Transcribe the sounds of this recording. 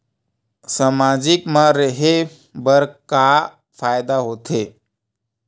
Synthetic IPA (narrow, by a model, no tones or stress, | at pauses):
samad͡ʒɪkmãɾəɦe | bəɾka | fʰajd̪aɦoːt̪ʰe